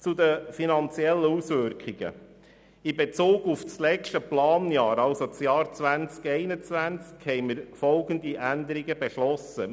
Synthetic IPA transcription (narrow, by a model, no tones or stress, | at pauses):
t͡sud̪əfinɑnt͡siɛlːəusʋʏɾkχiɡ̥ə̰ | ibet͡suːɡufslɛt͡ʃtəplɑːnjɑːɾɑlsot͡sjɑːɾt͡sʋænt͡skɛɪnət͡sʋænt͡skhɛɪməɾfɔlɡənd̪iʔænd̪əɾiɡəbeʃlɔsə